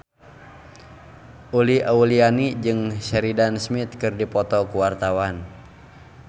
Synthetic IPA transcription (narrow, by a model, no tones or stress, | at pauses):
ʔuliʔaulianid͡ʒɨŋsɛɾidansmit̪̚kɨrdipɔt̪ɔkuwart̪awan